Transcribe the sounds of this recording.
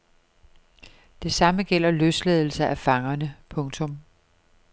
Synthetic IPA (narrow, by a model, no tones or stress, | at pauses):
d̥e̝sɑ̈məɡ̥el̰ɐløsleðˠl̩sɐʔæfɑ̈ŋɐnəpʰɔ̽ŋt͡sʰɔ̽m